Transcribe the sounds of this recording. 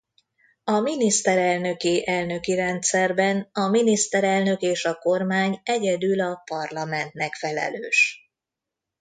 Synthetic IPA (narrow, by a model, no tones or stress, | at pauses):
ɒminist̪ɛɾɛlnø̞keːʔɛlnø̞kiɾɛnt̪sɛrbɛnɒminist̪ɛɾɛlnø̞keːʃɒko̞rmaːɲɛɟɛd̪ylɒpɒrlɒmɛnt̪nɛkfɛlɛ̰lø̰ːʃ